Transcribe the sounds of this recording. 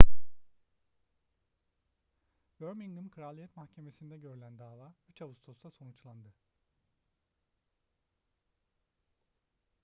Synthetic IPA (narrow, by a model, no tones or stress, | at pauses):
bøɾmiŋɡɯnkʰɾalʲˠijɛt̪mahcʰe̞me̞sind̪ɛɟø̞ɾylʲænd̪aːvaːyt͡ʃavust̪ʰosd̪ˠaso̞nut͡ʃlˠand̪ɯ